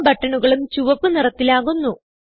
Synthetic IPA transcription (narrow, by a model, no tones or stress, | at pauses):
bɐʈːɐɳuɣɐɭumt͡ɕuʋɐpːɨnirɐt̪ːilaːɣunːu